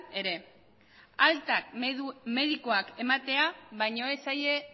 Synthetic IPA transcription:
e̞ɾe̞ | alt̪akme̞ðiko̞ake̞mat̪e̞aβajɲo̞esaje̞

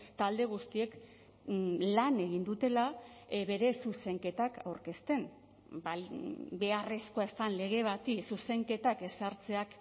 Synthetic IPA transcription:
t̪ald̪e̞ɣ̞ust̪ie̞k | lane̞ɣ̞ind̪ut̪e̞laβe̞ɾe̞suse̞ŋke̞t̪aka̰wɾke̞st̪e̞n | babe̞aresko̞aest̪anle̞ɣ̞e̞β̞at̪isuse̞ŋke̞t̪ake̞saɾt͡se̞ak

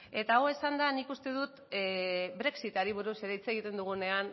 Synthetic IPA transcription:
e̞t̪aɣoe̞sand̪anikust̪e̞ðut̪ | bɾe̞ksit̪aɾiβ̞uɾuse̞ɾeit͡se̞ɣit̪e̞nd̪uɣ̞une̞an

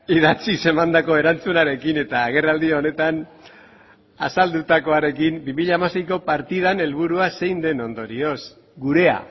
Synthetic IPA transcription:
iðat͡sise̞mand̪ako̞e̞ɾant͡sunaɾe̞kine̞t̪aːɣe̞rald̪io̞ne̞t̪an | a̰sald̪ut̪ako̞aɾe̞kimbimiʎaːmase̞jko̞paɾt̪ið̞ane̞lβuɾuase̞jnd̪e̞no̞nd̪o̞ɾio̞s | ɡuɾe̞a̰

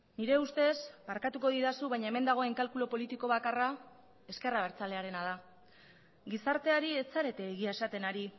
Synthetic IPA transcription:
niɾe̞ust̪e̞zmaɾkat̪uko̞ðiɾasuβajɲaeme̞nd̪aɣ̞o̞e̞ŋkalkulo̞po̞lit̪iko̞βakara | e̞ske̞raβ̞e̞ɾt͡sale̞aɾe̞nað̞a | ɡisaɾt̪e̞aɾie̞saɾe̞t̪e̞ːɣiaesat̪e̞naɾi

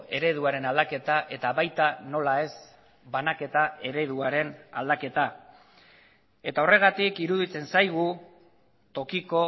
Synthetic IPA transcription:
e̞ɾe̞ðuaɾe̞nald̪ake̞t̪aʔe̞t̪aβajt̪ano̞lae̞s | βanake̞t̪ae̞ɾe̞ðuaɾe̞na̰ld̪ake̞t̪a | e̞t̪ao̞re̞ɣ̞at̪ikiɾuðit͡se̞nsajɣ̞u | t̪o̞kiko̞

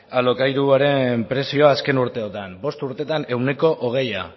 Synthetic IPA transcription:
alo̞kajɾuaɾe̞mpɾe̞sio̞aske̞nuɾt̪e̞ot̪ambo̞st̪uɾt̪e̞t̪ane̞wne̞ko̞ʔoɣ̞e̞ja̰

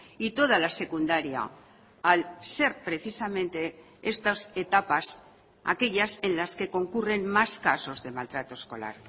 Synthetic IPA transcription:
it̪o̞ð̞alase̞kund̪aɾja̰ː | lse̞ɾpɾe̞θisamẽ̞nt̪e̞ | est̪ose̞t̪apas | a̰ke̞ʎase̞nlaske̞ko̞ŋkure̞nmaskaso̞zðe̞malt̪ɾat̪o̞esko̞̰la̰ɾ

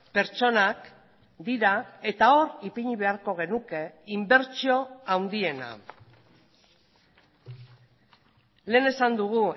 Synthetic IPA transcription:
pe̞ɾt͡ʃo̞nak | d̪iɾae̞t̪ao̞ripiɲiβe̞aɾko̞ɣ̞e̞nuke̞imbe̞ɾt͡sio̞awnd̪ie̞na̰ | le̞ːne̞sand̪uɣ̞u

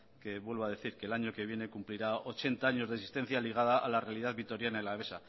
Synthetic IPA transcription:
ke̞βwe̞lβaðe̞θiɾke̞laɲoke̞β̞je̞ne̞kumpliɾao̞t͡ʃe̞nt̪aaɲo̞zðesi̥st̪e̞n̟θjaliɣ̞að̞aʔalarealiðaðβit̪o̞ɾjanaelaβ̞e̞sa

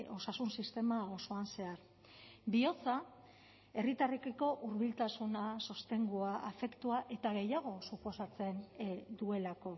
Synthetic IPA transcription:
o̞sasunsist̪e̞mao̞so̞anse̞aɾ | bio̞t͡sa | e̞rit̪arekeko̞ʔuɾβ̞ilt̪asunaso̞st̪e̞ŋɡuaʔːfe̞kt̪uaʔe̞t̪aɣe̞jaɣ̞o̞supo̞sat͡se̞nd̪ue̞lako̞

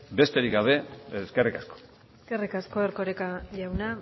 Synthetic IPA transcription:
be̞st̪e̞ɾiɡɡaβ̞e̞ske̞rikasko̥ | eske̞rikasko̞eɾko̞ɾekaʝawna

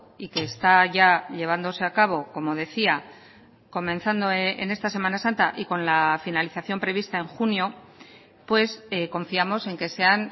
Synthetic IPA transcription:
ike̞ːst̪aʝaʎe̞β̞and̪o̞se̞akaβ̞o̞ko̞mo̞ðe̞θia | ko̞mẽnθand̪o̞ḛne̞st̪ase̞manasant̪aʔiko̞nlafinaliθaθjo̞mpɾe̞βist̪ae̞ŋxunjo̞ | pwe̞seko̞ɱfiamo̞se̞ŋke̞se̞an

